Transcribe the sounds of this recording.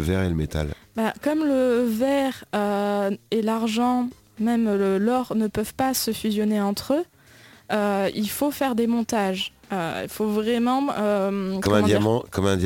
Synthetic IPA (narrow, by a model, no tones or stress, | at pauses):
vɛʁeləmet̪a̰lbakɔmləvɛʁøelaʁʒɑ̃ | mɛmlɔʁnəpœvpasəfyzjɔneɑ̃t̪χø | øilfofɛʁd̪emɔ̃t̪aʒøḭlfovʁɛmɑ̃økɔmɔɛ̃m̃d̪jaimɑ̃kɔmɛ̃d̪j